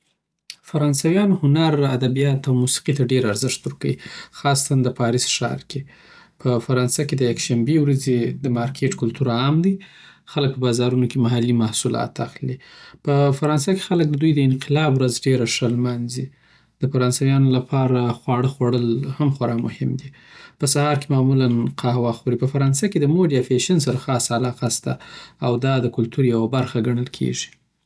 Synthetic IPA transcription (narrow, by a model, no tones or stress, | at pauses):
faɾɑnsawjɑnohʊnaɾad̪abijɑt̪awmusi̥qit̪aɖeɾaɾzɪʂt̪uɾkawḭxɑst̪and̪əpɑɾisʃɑ̰ɾke | pʰəfaɾɑnsaked̪əjakʃambewɾazed̪əmɑɾkʰeʈkʊlt̪uɾaːmd̪i | xalək̚pəbɑzɑɾunokemaɦalimahsulɑ̰t̪axlipəfaɾɑnsake̥xalək̚d̪əd̪ujd̪əɪnqɪlɑbwɾazɖeɾaʂəlmanzi | d̪əfaɾɑnsajɑnolapʰɑɾaxwɑɽəxwaɽəlhamxwaɾɑmʊ̰hɪmd̪i | pəsahɑɾkemɑmulanqʰɑhwɑxoɾipəfaɾɑnsaked̪əmoɖijafeʃans̬aɾaxɑsalɑqast̪aawd̪ɑd̪əkʊlt̪uɾjawabaɾxaɡaɳ̃əlkʰḛʐi̥